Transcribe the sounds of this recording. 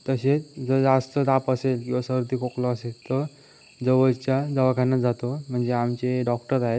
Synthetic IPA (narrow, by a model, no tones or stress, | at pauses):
t̪əɕet͡sd͡zəd͡zast̪əd̪apəselkĩw̃ʋasəɾut̪ikoklɔəselt̪ə | d͡zəʋəd͡zt͡ɕjad͡zəʋakʰanːad͡zat̪om̤əɳd͡zeamt͡ɕeɖɔkʈəɾaɦet̪